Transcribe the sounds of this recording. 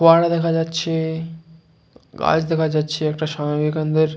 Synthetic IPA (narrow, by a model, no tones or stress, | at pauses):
oaɽad̪ɛkʰad͡ʑatːɕʰe | ɡa̰d͡ʑd̪ɛkʰad͡ʑatːɕʰeɛkʈaʃambikand̪eɾ